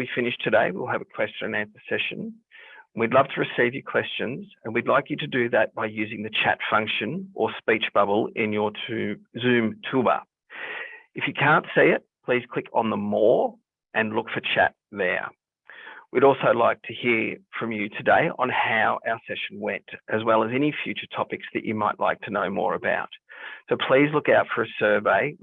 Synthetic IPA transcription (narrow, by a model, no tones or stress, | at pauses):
wifɪ̃nɨʃtʰɨdeɪwḭlˠɨvɨkʰw̥ɛst͡ʃənɨ̃næ̃nsə˞sɛʃɨ̰̃n | widˡlʌv̥tʰəɹɨsivjə˞kʰw̥ɛst͡ʃɨ̃nzɨ̃nwidˡlaɪkjɨɾɨdɨðɨt̚b̥aɪjʉzɪ̃ŋðɨt͡ʃʰæ̰tfʌ̃ŋkʃɨ̃nʔə˞spit͡ʃb̥ʌbl̩ˠɪ̃njə˞tʰzʉ̃mtʰʉbə̰ | ɨfjɨkʰæ̃ntsiɪt̚pʰl̥iz̥kʰl̥ɪkn̩ðəmɔɹ | ʔɨ̃nlʊkfə˞t͡ʃʰæ̰t̪̚ðə̰˞ | wiɾɔlˠsoʊlaɪk̚tʰɨhiɹfɹʌ̃mjɨtʰɨdeɪʔə̰̃nhaʊʔaʊə˞sɛʃn̩wɛ̃ntʔɨzwɛlˠəzɛñifjʉt͡ʃə˞tʰɑpɨksðɨ̰t͡ʃɨ̰maɪʔla̰ɪk̚tʰɨnoʊmɔ̰ɹɨba̰ʊt̚soʊpʰl̥izlʊkaʊtfə˞ɨsɜ˞veɪ